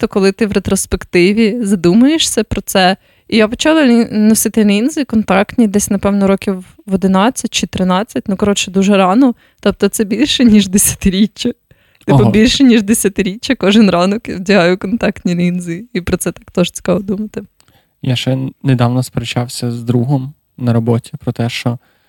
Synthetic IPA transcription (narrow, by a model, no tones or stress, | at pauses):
t̪ɔkɔlˠɪt̪ɪwɾet̪ɾɔspekt̪ɪʋʲizɐd̪umʊjeʃsʲɐpɾɔt̪sɛ | ijapɔt͡ʃɑlˠɐlʲinɔsɪt̪ɪlʲinzɪkɔnt̪ɑkt̪ʲnʲid̪ɛsʲnɐpɛwnɔɾɔkʲiw | ɔd̪ɪnɑt͡sʲːɐt̚ʲt͡ʃɪt̪ɾɪnɑt͡sʲːɐt̚ʲnukɐɾɔt͡ʃɛd̪uʒɛɾɑnɔ | t̪ɑpt̪ɔt̪sɛbʲilʲʃɛnʲiʒd̪esʲɐ̥t̪ɪɾʲit͡ʃːɐ | t̪ɪpɔbʲilʲʃɛnʲiʒd̪esʲɐt̪ɪɾʲit͡ʃʲːɐkɔʒɪnɾɑnɔkwdʲɐɦɑjʊkɔnt̪ɑkt̪ʲnʲilʲinzɪipɾɔtsɛt̪ɑkt̪ɔʒt͡sʲi̥kɑd̪umɐt̪ɪ | jaʃɛned̪ɑwnɔspeɾet͡ʃɑwsʲɐzd̪ɾuɦɔm | nɐɾɔbɔtʲipɾɔt̪ɛʃt͡ʃɔ